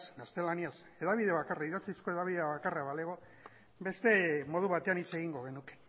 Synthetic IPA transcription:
snast̪e̞laniase̞ðaβiðe̞β̞akaraiðat͡sisko̞e̞ðaβiðeaβakaraβaleɣo | be̞st̪e̞mo̞ðuβat̪e̞anit͡se̞ɣiŋɡo̞ɣ̞e̞nuke̥

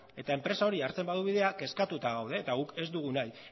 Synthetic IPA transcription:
e̞t̪ae̞mpɾe̞sao̞ɾiaɾt͡se̞mbaðuβ̞iðe̞ake̞skat̪ut̪aɣawð̞e̞ːt̪aɣuke̞zd̪uɣ̞unaj

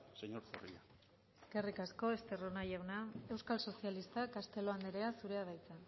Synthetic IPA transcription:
seɲoɾso̰rḭa | eske̞rikasko̞est̪eronajawnae̞wskalso̞sialist̪akast̪e̞lo̞and̪eɾe̞asuɾe̞aβ̞ajt͡sa

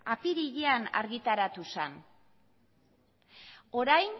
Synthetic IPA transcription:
apiɾiʎeana̰ɾɣit̪aɾat̪usan | o̞ɾajn

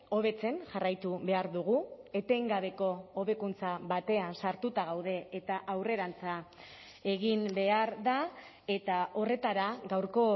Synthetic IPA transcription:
o̞βe̞t͡se̞nʝarajt̪uβe̞aɾðuɣ̞ue̞t̪e̞ŋɡaβe̞ko̞ːβe̞kunt͡saβat̪e̞ansaɾt̪ut̪aɣawðe̞ːt̪aʔawre̞ɾant͡sa | e̞ɣimbe̞aɾða | e̞t̪ao̞re̞t̪aɾaɡawɾko̞

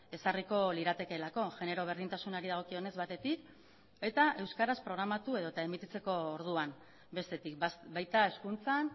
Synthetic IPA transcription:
e̞sariko̞liɾat̪e̞ke̞lako̞ʝe̞ne̞ɾo̞β̞e̞ɾð̞int̪asunaɾiðaɣ̞o̞kio̞ne̞zβat̪e̞t̪ik | e̞t̪aʔe̞wskaɾaspɾo̞ɣ̞ɾamat̪ue̞ð̞ot̪ae̞mit̪it͡se̞ko̞ːɾðuan | be̞st̪e̞t̪ikbajt̪ae̞skunt͡san

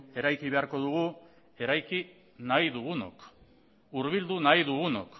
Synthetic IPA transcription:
e̞ɾajkiβe̞aɾko̞ðuɣ̞u | e̞ɾajki | najðuɣuno̰k | uɾβ̞ild̪unajðuɣuno̰k

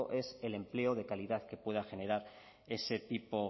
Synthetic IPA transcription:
oʔe̞se̞le̞mple̞oðe̞kaliðaθke̞pwe̞ð̞axe̞ne̞ɾaɾ | e̞se̞t̪ipo̞

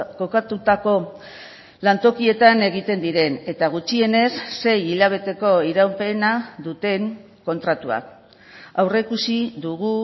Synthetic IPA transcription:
kokat̪ut̪ako̞ | lant̪o̞kie̞t̪ane̞ɣit̪e̞nd̪iɾe̞ne̞t̪aɣ̞ut͡ʃie̞ne̞sːe̞jiʎaβ̞e̞t̪e̞ko̞iɾawpe̞naðut̪e̞ŋ | ko̞nt̪ɾat̪ua̰k | awre̞kusiðuɣu

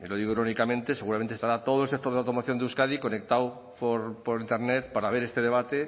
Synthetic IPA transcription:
ilo̞ð̞iɣoiɾonikamẽnt̪e̞seɣuɾamnt̪est̪aɾat̪o̞ð̞oelsek̚t̪oðawt̪o̞maθjo̞nd̪euskaðiko̞nek̚t̪aw | poɾpoɾint̪e̞ɾnet̪paɾaβ̞e̞ɾe̞st̪e̞ðe̞βat̪e

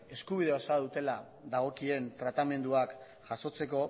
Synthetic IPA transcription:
e̞skuβ̞ið̞e̞osaðut̪e̞la | ðaɣ̞o̞kie̞nt̪ɾat̪ame̞nd̪uak | ʝ̥aso̞t͡se̞ko̞

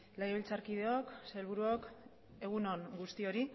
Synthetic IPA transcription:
lajeβilt͡saɾkiðe̞okselβ̞uɾuok | e̞ɣunonɡust̪io̞ɾi

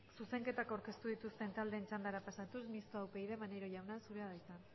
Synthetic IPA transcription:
suse̞ŋke̞t̪akawɾke̞st̪uð̞it̪ust̪e̞nt̪ald̪e̞ːnt͡ʃand̪aɾapasat̪usmist̪oawpe̞iðe̞maneɾo̞ʝawnasuɾeaðajt̪an

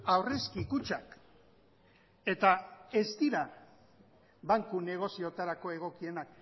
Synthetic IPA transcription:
awreskikut͡ʃak | e̞t̪ae̞zd̪iɾa | βaŋkune̞ɣ̞o̞sio̞t̪aɾako̞e̞ɣ̞o̞kie̞nak

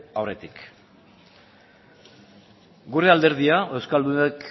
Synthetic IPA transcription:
awre̞t̪ik | ɡuɾe̞ald̪e̞ɾð̞iaʔewskald̪uek

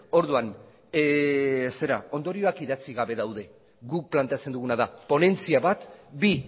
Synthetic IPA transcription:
o̞ɾðuan | se̞ɾao̞nd̪o̞ɾio̞akiðat͡siɣaβe̞ðawðe̞ | ɡuk̚plant̪eat͡se̞nd̪uɣ̞unaðapo̞ne̞nt͡siaβat̪bi

